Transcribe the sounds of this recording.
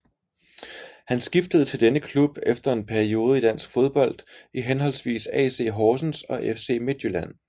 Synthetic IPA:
hænsɡ̥ifd̥əð̩ˠt͡sʰe̝ld̥enəkʰlub̥efd̥ɐe̝npʰæɐio̝ːð̞ˠəid̥æn̰sɡ̥fo̝ð̞ˠb̥ɒ̽l̰d̥iɦenɦɒ̽l̰sʋḭːsɛ̰ːse̝̰ːɦɒːsn̩sɒ̽ʔefse̝̰ːme̝d̥julæn̰

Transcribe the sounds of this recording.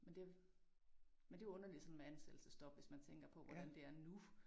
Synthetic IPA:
mend̥e̝ | mend̥e̝ɔ̽nɐli̥sɒ̽nmeænsed̥l̩səsd̥ɒ̽b̥ʋe̝smænt͡sʰeŋ̰ɡ̥ɐpʰɒ̽ʋɒd̥ænd̥e̝æɐnu

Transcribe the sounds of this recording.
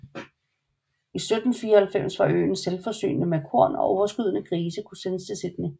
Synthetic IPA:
isød̥n̩fiːɐhælfem̰sʋɑ̈ʔø̰ːn̩selfɒsy̰ːnnəmekʰo̝ɐ̰nɒ̽ʔɒʊɐsɡ̥yð̞̰ˠənəkʰʁiːsəkʰusenəsd̥ʰesid̥ni

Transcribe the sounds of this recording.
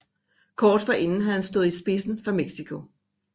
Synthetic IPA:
kʰɒːd̥fɑ̈ʔe̝nn̩ɦæðhænsd̥ɔ̽ːð̞̩ˠisb̥e̝sn̩fʁɑ̈meɡ̥sikʰo̝

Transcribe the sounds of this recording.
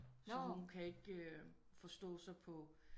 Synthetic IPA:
sɒ̽hunkʰæe̝ɡ̥ə | fɒ̽sd̥ɔ̰̽ːsɑ̈ɪpʰɒ̽

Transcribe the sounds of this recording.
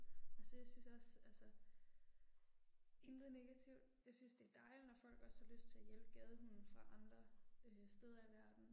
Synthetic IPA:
ælsɒjɑ̈ɪsynsɒ̽sælsə | e̝nd̥ð̩ˠne̝ɡ̥æt͡sʰiʊd̥jɑ̈ɪsynsd̥e̝æɐd̥ɑ̈ɪlinɒfɒ̽l̰ɡ̥ɒshɑløsd̥̚t͡sʰe̝æjelb̥ɡ̥ɛð̞ˠəhunn̩fʁɑ̈ʔɑ̈nd̥ʁɐøsd̥eð̞ˠɐiʋæɐd̥n̩

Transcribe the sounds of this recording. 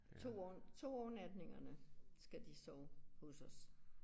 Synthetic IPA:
t͡sʰo̝̰ːt͡sʰo̝̰ːɒːnæd̥ne̝ŋɐnəsɡ̥æd̥isɒʊhɔsɒ̽s

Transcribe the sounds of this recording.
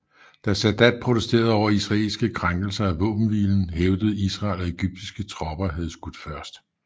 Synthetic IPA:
d̥æsæd̥æd̥̚pʰʁot͡sʰesd̥e̝ːɐð̞ˠɒʊɐisʁɑ̈e̝lsɡ̥əkʰʁaŋɡ̥l̩sɐæʋɔ̰̽ːb̥n̩ʋḭln̩ɦeʊd̥əð̞̩ˠisʁɑ̈ːlɒe̝ɡ̥yb̥̚d̥isɡ̥ət͡sʰʁɒ̽b̥ɐɦæð̞ˠsɡ̥ud̥fɶɐsd̥

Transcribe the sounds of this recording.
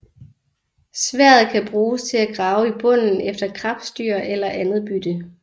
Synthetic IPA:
sʋæɐ̰ð̩ˠkʰæb̥ʁuːst͡sʰe̝læɡ̥ʁɑ̈ʊəib̥ɔ̽n̰n̩efd̥ɐkʰʁɑ̈b̥sd̥yɐ̰elɐʔænð̩ˠb̥yd̥ə

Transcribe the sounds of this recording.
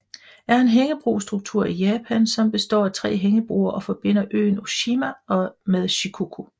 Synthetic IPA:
æɐe̝nɦeŋəb̥ʁṵːsd̥ʁuɡ̥̚t͡sʰuɐ̰ijɛːpʰænsɒ̽mb̥e̝sd̥ɒ̰ːæt͡sʰʁɛ̰ːɦeŋəb̥ʁṵːɐʔɒ̽fɒ̽b̥e̝n̰ɐʔø̰ːno̝ɕimæɒ̽meðˠɕikʰukʰo̝

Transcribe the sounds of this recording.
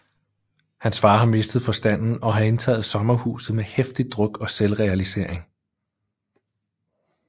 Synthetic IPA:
hænsfɑ̈ːɦɑ̈me̝sd̥ð̞̩ˠfɒ̽sd̥æn̰n̩ɒ̽ɦɑ̈e̝nt͡sʰɛ̰ːð̞̩ˠsɒ̽mɐhṵːsð̞̩ˠmehefd̥id̥ʁɔ̽ɡ̥ɒ̽selʁɛælise̝̰ɐ̰eŋ

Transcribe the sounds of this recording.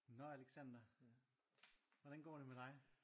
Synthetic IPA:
nɒæleɡ̥sæn̰d̥ɐ | ʋɒd̥ænɡ̥ɒ̰ːɾ̥e̝med̥ɑ̈ɪ

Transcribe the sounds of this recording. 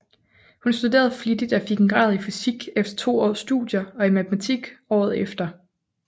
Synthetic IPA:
hunsd̥ude̝̰ːɐð̩ˠflid̥id̥ɒfiɡ̥nɡ̥ʁɑ̰̈ːð̞ˠifisiɡ̥efd̥ɐ̥t͡sʰo̝̰ːɒ̰ːsːd̥ṵd̥ˠjɐɒ̽imæt͡sʰemæt͡sʰiɡ̥ɒ̰ːð̩ˠefd̥ɐ

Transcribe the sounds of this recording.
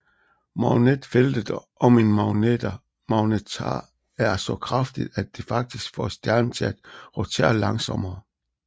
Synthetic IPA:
mɑʊned̥feld̥əd̥ | ɒ̽me̝nmɑʊned̥ɐ | mɑʊnet͡sʰɑ̰ | æɐsɒ̽kʰʁɑfd̥id̥æd̚d̥e̝fɑ̈ɡ̥̚d̥isɡ̥fɒ̰sd̥jæɐnət͡sʰeæd̥ʁɔt͡sʰḛːɐlɑ̈ŋsɒ̽mɐː

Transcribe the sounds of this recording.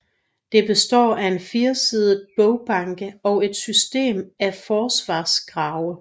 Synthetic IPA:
d̥e̝b̥e̝sd̥ɒ̰ːæe̝nfiɐsið̞ˠb̥ɔʊb̥ɑ̈ŋɡ̥əɒ̽ʊe̝d̥sysd̥e̝̰ːmæfɒːsʋɑ̰̈ːsɡ̥ʁɑ̈ːʊə

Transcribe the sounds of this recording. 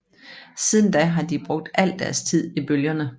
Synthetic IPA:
sið̞ˠn̩d̥æɦɑ̈d̥ib̥ʁɔ̽ɡ̥̚d̥ʔæl̰d̥æɐst͡sʰið̞̰ˠib̥øljɐnə

